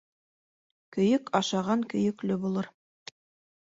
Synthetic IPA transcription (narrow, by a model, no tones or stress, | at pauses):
kɵ̆jɵkʰɑʃɑʁɑŋkɵ̆jɵ̆klɘbulˠɤɾ